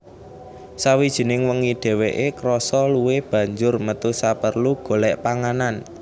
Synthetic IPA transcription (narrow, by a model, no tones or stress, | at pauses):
sawid̥ʒ̥i̤nɪŋwəŋid̪̥e̤weʔekɾɔsɔluweb̥ä̤ɲd͡ʒʊrmət̪usapərluɡ̥o̤lɛʔpaŋanan